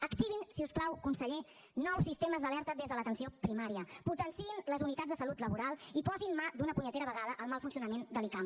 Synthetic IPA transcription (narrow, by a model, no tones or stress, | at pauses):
əkt̪iβ̞insiusklawkunsəʎe | nɔwsist̪eməzðəlɛɾt̪ədezðələt̪ənsiopɾimaɾiəput̪ənsiinləzunit̪adzðəsəlut̪ləβuɾalˠipɔzinmad̪unəpuɲət̪eɾəβəɣaðəʔəlˠmalˠfunsiunəmend̪əlikam